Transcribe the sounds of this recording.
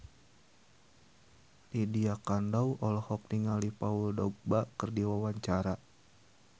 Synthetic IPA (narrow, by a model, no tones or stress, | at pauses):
lidiakandawʔɔlɔhɔk̚niŋalipauldɔɡ̚bakɨrdiwawaɲt͡ʃaɾa